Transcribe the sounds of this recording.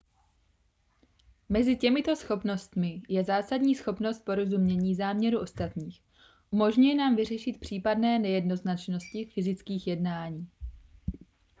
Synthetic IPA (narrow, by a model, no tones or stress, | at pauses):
mɛzɪcɛmɪt̪o̞sxo̞pno̞st̪mɪjɛzaːsadɲiːsxo̞pno̞st̪̚po̞ɾo̞zumɲɛɲiːzaːmɲɛɾuʔo̞st̪at̪ɲiːx | ʔumo̞ʒɲujɛnaːmvɪr̝ɛʃɪt̪̚pr̝̥iːpadnɛːnɛjɛdno̞znat͡ʃno̞scɪfɪzɪt͡skiːxjɛdnaːɲiː